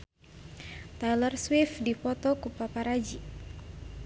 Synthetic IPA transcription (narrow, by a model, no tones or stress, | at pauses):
t̪ajlərswɪfdipɔt̪ɔkupapaɾad͡ʒi